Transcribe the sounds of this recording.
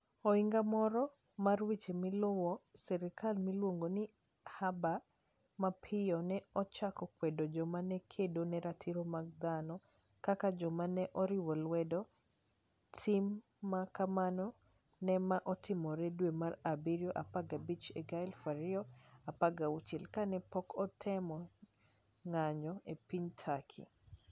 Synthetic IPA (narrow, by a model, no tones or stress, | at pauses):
ɔiŋɡamɔɾɔ | marwit͡ʃemɪlʊwɔsɛɾɪkʰalmilwoŋɡonɪ | haba | mapʰɪjɔnɛɔt͡ʃakɔkwɛdod͡ʒɔmanɛkʰedonɛɾatʰiɾomaɡ̚d̪anɔ | kakad͡ʒɔmanɛʔɔɾɪwɔlwɛdɔ | tʰimː | akamanɔ | nɛmaʔɔtɪmɔɾɛdwemarabiɾjoʔapaɡabit͡ʃeɡajlfaɾɪɔapaɡaut͡ʃɪlkanɛpɔkɔtʰɛmɔ | ŋaɲɔepiɲtʰakʰḭ